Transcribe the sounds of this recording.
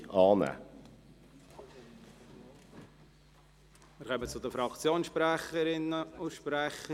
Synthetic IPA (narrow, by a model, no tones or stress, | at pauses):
ɑːnɛ̰ː | mɪɾkœmət͡sʊd̪əfɾɑkt͡sjoːnsʃpɾæχəɾɪnːəʊʃpɾæχə